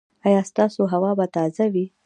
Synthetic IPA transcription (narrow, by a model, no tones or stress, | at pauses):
ɑjɑst̪ɑsoɦawɑbat̪ɑzawi